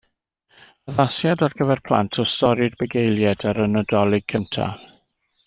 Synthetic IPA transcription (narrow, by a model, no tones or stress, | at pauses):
əðasjadɔrɡəvɛrpʰlˠa̰ntʰɔstɔɾɪdbəɡejlˠjɛdaɾənɔdɔlˠɪɡ̚kʰəntʰa̰